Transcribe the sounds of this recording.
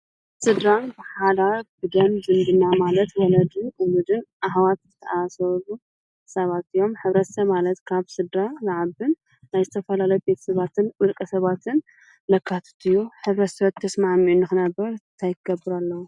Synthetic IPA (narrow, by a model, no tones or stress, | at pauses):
sɨd̪ɾabɨħalabɨd̪ɐmzɨnd̪ɨnamalɐt̪wɔlɐd̪ɨumud̪ɨnʔaɦwat̪zɨt̪ʰɐasɐlu | sɐβat̪ɨjo̞mħɨβɾɐt̪sɐβmalɐt̪kʰaβsɨd̪ɾalaʕaβɨnː | ajzɨt̪ʰɐfɐlalɐjbe̞t̪ʰɐ̥sɐβat̪ʰɨnwɨlkʼɐsɐβat̪ʰɨn | lɐkʰːat̪ʰɐ̥t̪ɨjːuħɨβɾɐt̪sɐβɐt̪ʰːɐsmaʕmiunːɨxɨnɐbːɐɾnt̪ʰajkɨɡɐbːɨɾalːɐwu